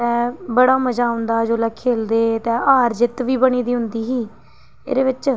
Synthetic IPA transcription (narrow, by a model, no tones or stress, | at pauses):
tɛ̃ːbəɽaːməd͡ʒaːʊ̃nd̪aːd͡ʒoːlaːkʰeːld̪eːt̪ɛ̃ːʔaːɾd͡ʒɪt̪ʋiːbəɽ̃iːd̪iːɦʊnd̪iːɦiː | ḛːɾeːʋɪt͡ʃ